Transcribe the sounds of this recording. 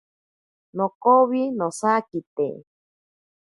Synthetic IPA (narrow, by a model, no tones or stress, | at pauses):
nokoβinosakit̪ḛ